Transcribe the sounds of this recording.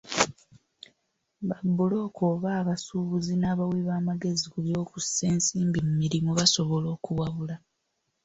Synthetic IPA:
βabːulo̞ːkoːβaːβasuːβuzinaːβawiβaːmaɡe̞zikuljo̞ːkuse̞ːnsiːmbimumiɾimoβaso̞βo̞lo̞ːkuwaβula

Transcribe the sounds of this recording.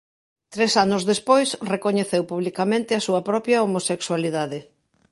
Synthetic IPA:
t̪ɾesanʊzðespojsrekoɲeθewpuβlikamẽnt̪ɪɐsuɐpɾɔpjɐomosekswaliðaðɪ

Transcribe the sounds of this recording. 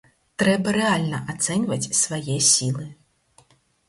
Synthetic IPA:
t̪ɾɛbɐɾɛalʲnɐʔat̪sɛnʲvɐt͡sʲsvajɛsʲilˠɨ

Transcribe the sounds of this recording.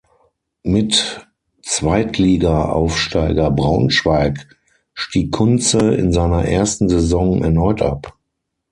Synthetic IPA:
mɪt | t͡sv̥aɪtʰliːɡaʔa̰ʊfʃtaɪɡɐbʁaʊnʃv̥aɪk | ʃtiːkʰːʊnt͡səɪ̰nzaɪnɐʔeːɐstn̩zezɔŋɛ̰ɐnɔʏtʔa̰p

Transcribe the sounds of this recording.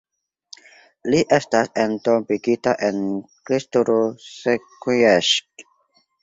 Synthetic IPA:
liʔestasentobiɡitaʔenkɾistoɾosekueʃk̚

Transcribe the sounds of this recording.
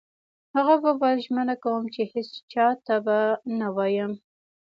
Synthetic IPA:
haɣababalʒmənakawəmt͡ʃehɪst͡ʃɑt̪abanawɑjəm

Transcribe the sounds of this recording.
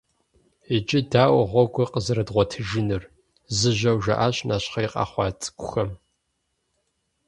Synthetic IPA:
it͡ʃʼɪdaːwʁʷɔɡʷɔqəzɐɾɐdʁʷɔtʰɨʒɨnɨr | zɨʒɐwʒɐ̰ʔaːɕnʔaːɕχɐjqʼɑ̰ːχʷɑːtʼkʷʼʊxɐm

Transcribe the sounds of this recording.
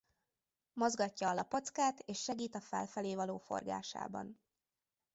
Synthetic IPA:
mo̞zɡɒcːɒɒlɒpo̞t̪skaːt̪eːʃːɛɡiːt̪ɒfɛ̰lfɛleːvɒloːfo̞̰rɡa̰ːʃa̰ːbɒ̰n

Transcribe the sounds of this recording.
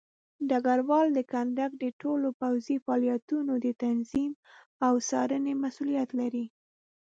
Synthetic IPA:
ɖaɡaɾwɑld̪əkand̪akd̪əʈolopawzifɑljat̪unod̪ət̪anzim | awsɑɾənemasulijat̪laɾi

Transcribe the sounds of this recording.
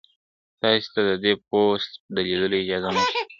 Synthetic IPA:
t̪ɑse̥t̪ad̪əd̪epost̪d̪əled̪əloɪd͡ʒɑzanəki

